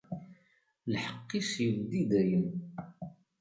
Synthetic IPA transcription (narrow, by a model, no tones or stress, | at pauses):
lħəqːiʃjəvd̪id̪æjən